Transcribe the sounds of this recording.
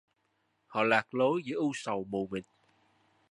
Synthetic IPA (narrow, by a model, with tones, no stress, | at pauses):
hɔ̰˧˨laː˨˩k̚lo˨˦jzə˨˦ʔu˧sə˨˩wmu˨˩mï˨˩ŋ